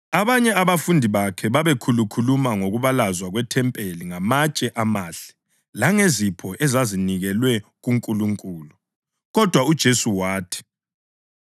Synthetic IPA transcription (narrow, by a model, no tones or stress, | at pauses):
aβaɲɛaβafundʱiβakʰɛβaβekʰulukʰulumaŋoɣuβalazwaɣwɛtʰɛmpʼeliŋamat͡ʃʼɛʔamaːɬɛ̥ | laŋezipʰɔʔɛzaziniɣɛlwɛɣuŋkʼuluŋkʼuːlu | ɣɔd̥ʱwaud̥ʒ̥ʱesuwaːtʰi̥